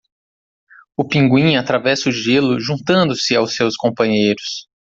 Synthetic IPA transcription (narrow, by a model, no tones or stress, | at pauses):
ʊpĩŋɡwĩɲat̪ɾavɛsʊʒelʊʒũnt̪ɐ̃nd̪ʊsɪawsewskõpɐ̃ɲejɾʊs